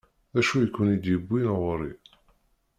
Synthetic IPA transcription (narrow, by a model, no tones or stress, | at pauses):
æʃujəkʷːʊnid̪jəbʷːinʁɾḭ